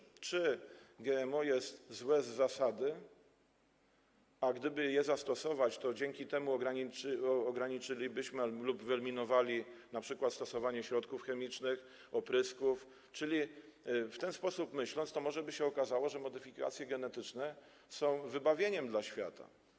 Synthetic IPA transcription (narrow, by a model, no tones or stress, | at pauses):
t͡ʂɘɡʲɛɛmɔjɛst̪zwɛzːasad̪ɘ | aɡd̪ɘbɘjɛzast̪ɔsɔvat͡ɕt̪ɔd͡ʑɛŋkʲit̪ɛmuɔɡɾaɲiɔɡɾaɲit͡ʂɘlʲibɘɕmɘlubvɛlmʲinɔvalʲinapʂɘkwat̪st̪ɔsɔvaɲɛɕɾɔt̪kufxɛmʲit͡ʂnɘx | ɔpɾɘskuf | t͡ʂɘlʲift̪ɛnspɔsupmɘɕlɔnt̪st̪ɔmɔʐɛbɘɕɛɔkazawɔʐɛmɔd̪ɘfʲika̰t̪sʲjɛɡɛnɛt̪ɘt͡ʂnɛ | sɔ̃w̃vɘbavʲjeɲɛmd̪laɕfʲja̰t̪a̰